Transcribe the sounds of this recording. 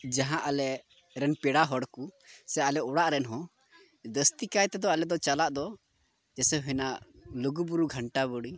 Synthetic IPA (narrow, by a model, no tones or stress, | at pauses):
d͡ʒaɦãʔalɛʔ | ɾɛnpɛɽaɦɔɽkusɛalɛɔɽaʔɾɛnɦɔ̃ | d̪əst̪ikajt̪ɛd̪ɔalɛd̪ɔt͡ʃalaʔd̪ɔ | d͡ʒɛsɛɦɛnaləɡubuɾuɡʱəɳʈaβəɽi